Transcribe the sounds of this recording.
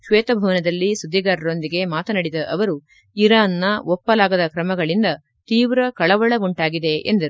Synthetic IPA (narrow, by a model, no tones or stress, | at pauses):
ʃʋɛːt̪ɐbʱɐʋɐnɐd̪ɐlːisud̪ʱːiɡaːɾɐɾo̞nd̪iɡe̞maːt̪ɐnɐɽid̪ɐʔɐʋɐɾu | iɾaːnːɐʔɔpːɐlaːɡɐd̪ɐkɾɐmɐɡɐɭind̪ɐ | t̪iːʋɾɐkɐɭɐʋɐɭɐʋuɳʈaːɡid̪e̞ʔend̪ɐɾu